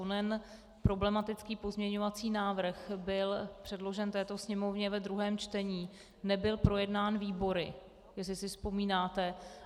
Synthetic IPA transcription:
onɛn | pɾo̞blɛmat̪ɪt͡skiːpo̞zmɲɛɲo̞vat͡siːnaːvr̩xbɪlpr̥ɛdlo̞ʒɛnt̪ɛːt̪o̞sɲɛmo̞vɲɛvɛd̪ɾuɦɛːmt͡ʃt̪ɛɲiː | nɛbɪlpɾo̞jɛdnaːnviːbo̞ɾɪ | jɛsɪsɪfspo̞miːnaːt̪ɛ

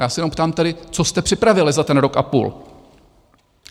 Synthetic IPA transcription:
jaːsɛjɛnompt̪aːmt̪ɛɾɪt͡so̞st̪ɛpr̥ɪpɾavɪlɪzat̪ɛnɾo̞kʔa̰pṵːl

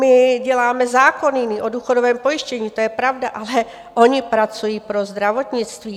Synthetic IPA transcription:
mɪɟɛlaːmɛzaːkonɪniʔoduːxodovɛːmpo̞jɪʃcɛɲiːt̪ojɛpɾavdaʔalɛ | ʔo̞ɲɪpɾat͡sujiːpɾozd̪ɾavo̞t̪ɲɪt͡st̪viː

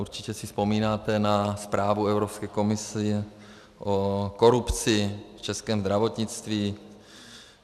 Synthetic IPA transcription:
ʔuɾt͡ʃɪcɛsɪspo̞miːnaːt̪ɛnaspɾaːvuɛvɾopskɛːko̞mɪsɪ | ʔoko̞ɾupt͡sɪft͡ʃɛskɛːmzd̪ɾavo̞t̪ɲɪt͡st̪viː

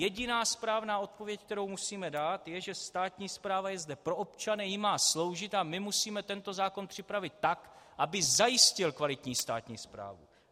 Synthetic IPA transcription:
jɛɟɪnaːspɾaːvnaːo̞t̪̚povjɛck̚t̪ɛɾo̞wmusiːmɛdaːt̪jɛʒɛst̪aːt̪ɲiːspɾaːvajɛzdɛpɾo̞ʔo̞pt͡ʃanɪjɪmaːslo̞wʒɪt̪amɪmusiːmɛt̪ɛnt̪o̞zaːko̞npr̥ɪpɾavɪt̪ːak | ʔabɪzajɪscɪlkvalɪt̪ɲiːst̪a̰ːt̪ɲḭːspɾa̰ːvṵ

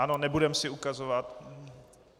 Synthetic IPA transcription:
ano̞nɛbudɛmsɪukazovat̪

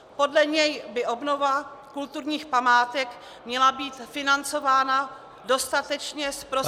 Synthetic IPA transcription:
po̞dlɛɲɛjbɪʔo̞bno̞vakult̪uɾɲiːxpamaːt̪ɛk | mɲɛlabiːt̪fɪnant͡so̞vaːna | do̞st̪at̪ɛt͡ʃɲɛspɾo

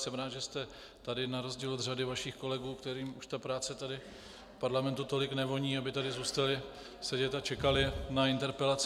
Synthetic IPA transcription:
sɛmɾaːd̪ʒɛst̪ɛ | t̪adɪnaɾo̞zɟiːlod̪r̝adɪvaʃiːxko̞lɛɡuːkt̪ɛɾiːmuʃt̪apɾaːt͡sɛt̪adɪ | fpaɾlamɛnt̪ut̪o̞lɪknɛvo̞ɲiːabɪt̪adɪzuːst̪alɪ | sɛɟɛt̪at͡ʃɛkalɪnaɪnt̪ɛɾpɛlat͡s

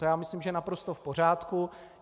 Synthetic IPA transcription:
jaːmɪslimʒɛnapɾo̞st̪o̞fpo̞r̝aːt̪ku

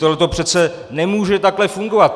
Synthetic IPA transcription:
t̪olɛt̪o̞pr̝̥ɛt̪t͡sɛ | nɛmuːʒɛt̪aklɛfuŋɡovat̪̚

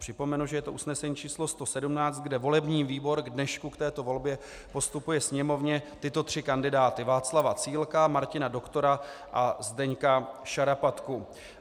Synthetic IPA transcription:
pr̥ɪpo̞mɛnuʒɛjɛt̪o̞ʔusnɛsɛɲiːt͡ʃiːslo̞st̪o̞sɛdumnaːt͡st̪̚ɡdɛvo̞lɛbɲiːviːbo̞ɾɡdnɛʃkukt̪ɛːt̪o̞vo̞lbjɛ | po̞st̪upujɛsɲɛmo̞vɲɛt̪ɪt̪o̞t̪r̝̥ɪkandɪdaːt̪ɪvaːt͡slavat͡siːlkamaɾcɪnado̞kt̪o̞ɾaʔazdɛɲkaʃaɾapat̪ku

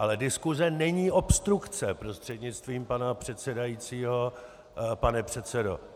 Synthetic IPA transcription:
ʔalɛdɪskuzɛnɛɲiːʔo̞pst̪ɾukt͡sɛpɾo̞st̪r̝̥ɛdɲɪt͡st̪viːmpanapr̝̥ɛt̪sɛdajiːt͡siːɦo̞ | panɛpr̥ɛt̪t͡sɛdo̞̰

